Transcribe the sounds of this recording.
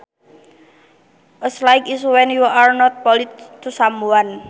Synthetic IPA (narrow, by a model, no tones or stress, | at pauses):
ʔəslajkiswɛnjuʔaɹnɔt̪̚pɔlit̪t̪usamuan